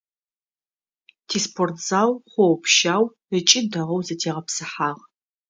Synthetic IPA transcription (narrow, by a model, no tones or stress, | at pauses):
tʰiːspʰortz̥aːwχʷɔwpʰʃaːw | ət͡ʃʼɪdɐʁɐwzɐtʰeːʁɐpsɨħaːʁ